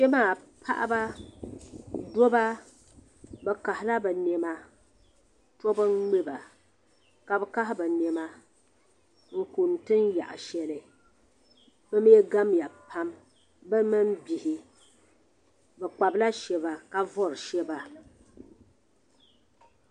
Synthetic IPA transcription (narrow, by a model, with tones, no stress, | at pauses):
ʃɛ˦maː˦˨pʰa˦ʔa̰˦ba˦ | do˦ba˦ | bɛ˨ka˨hɪ˨la˦bɛ˨nɛ˨ma˦ | to˦bɨ˦ɡ͡be˦ba˨ | ka˨bɛ˦ka˦ɦɪ˦ba˨nɛ˨ma˦ | ŋ̩˦˨ku˨n˨tɨ˦n˦ja̰˨ʔa̰˨ʃɛ˨lɨ˨ | bɨ˦m˦ɛ˦ɡa˦mja˨pʰa˦m | bɨ˦mɨ˦m˦bi˨hi˨ | bɛ˨k͡pa˨bla˦ʃɛ˦βa˨ka˦vɔ˦ɾɨ˨ʃɛ˦ba˨